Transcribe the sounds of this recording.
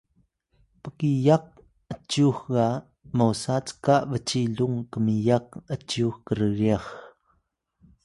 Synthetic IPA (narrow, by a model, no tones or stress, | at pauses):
pəkijak̚ | ʔət͡ʃuxɡa | mowsat͡skaʔvət͡siɮuŋkəmijak̚ət͡ʃuxkəɾəɣix